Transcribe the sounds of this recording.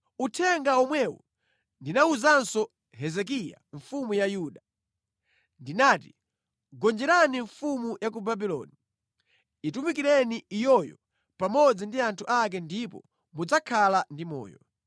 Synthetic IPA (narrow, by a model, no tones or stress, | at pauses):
utʰɛŋɡaɔmwɛwɔ̰ | ndinauzansɔ | ɦɛzɛk̬ija̰ɱfumujajuːɗa | ndinaːti | ɡɔnd͡ʒɛɾaniɱfumujakubabilɔ̰ni | itumikiɾɛniijɔjɔ̰ | pamɔd͡zindiantʰuʔakɛndipɔ̰ | mud͡zakʰalandimɔ̰ːjɔ̰